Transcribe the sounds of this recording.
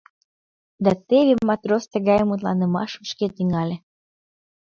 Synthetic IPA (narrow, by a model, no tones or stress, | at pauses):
d̪ɑt̪eβʲemːɑt̪ɾost̪ə̆ɣɑjəmut̪̬lɑnə̆mɑ̰ʃəʃket̪yŋɑlʲe